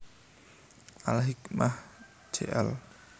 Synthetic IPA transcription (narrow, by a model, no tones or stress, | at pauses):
alɦikmah | d͡ʒḛʔɛl